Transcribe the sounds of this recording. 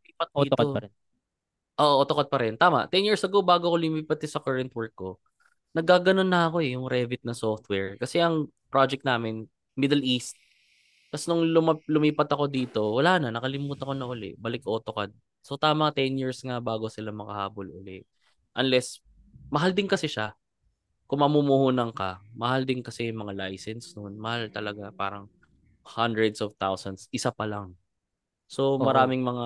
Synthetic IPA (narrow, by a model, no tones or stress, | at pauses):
iːpɐt̪̚ːto | ʔoːʔoʔot̪okɐd̪̚pɐɾɛnt̪aːmɐ̰ʔt̪ɛnjiɹsɐɡowbaːɡoɐkolʊmiːpɐt̪̚kɪsɐkɐɹɐnt̪wɛɹkːo | nɐɡ̚ːaːɡɐno̞nːɐɐko̞ɛjʊŋɾɛvɪt̪̚nɐsoft̪wɛɹkɐsɛʔɐŋ | pɾad͡ʒɛk̪̚naːmɪn | mɪd̪ɛlʔist̪̚ | k̪ɐsnʊŋlʊmɐlʊmiːpɐt̪ɐko̞d̪iːt̪o̞wɐlaːnɐnɐkɐlɪmuːt̪ɐko̞nɐʔʊlɛ̰ʔbɐlɪkʔoːt̪oka̰d̪̚ | so̞t̪aːmɐŋt̪ɛnjiɹsŋabaːɡo̞sɪlamɐkɐhaːbolʔʊlɛʔ | ʔɐnlɛs | mɐɦald̪ɪnkɐsɛʃa | kʊŋmɐmumuhuːnɐŋkɐmɐhald̪ɪnkɐsɛjʊŋmɐŋalajsɛnsnʊnmɐhalt̪ɐlɐɡapa̰ːɾɐŋ | hand̪ɹɛd̪sovt̪awsɐnsʔɪsapɐlaŋ | so̞mɐɾaːmɪŋmɐŋa